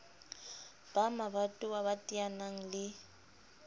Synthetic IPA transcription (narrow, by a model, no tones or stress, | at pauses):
b̥amabatʼʊaβatʼianaŋ̩lɪ